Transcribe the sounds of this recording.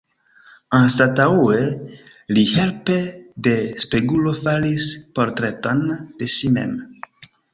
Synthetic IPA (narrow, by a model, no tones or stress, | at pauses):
anstataue | lihe̞lpe̞de̞speɡulo̞falispo̞ɾtɾe̞tond̥e̞ʃimḛm